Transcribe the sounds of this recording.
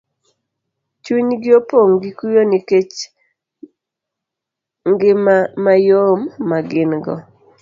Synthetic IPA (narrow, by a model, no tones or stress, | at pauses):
t͡ʃwuɲɡɪopoŋɡikujoniket͡ʃ | ŋɡɪmamajomːaɡɪnɡɔ